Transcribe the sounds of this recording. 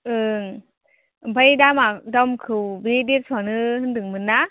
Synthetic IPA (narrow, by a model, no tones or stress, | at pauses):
ɯŋ | pʰajdamadɔmkʰɯwbedet̚sʰwanɯɦɯndɯŋmɯnːa